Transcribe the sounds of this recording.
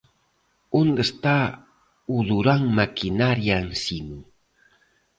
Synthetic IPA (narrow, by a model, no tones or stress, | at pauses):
ʊnd̪ast̪a | ud̪uɾaŋmakʰinaɾjansinu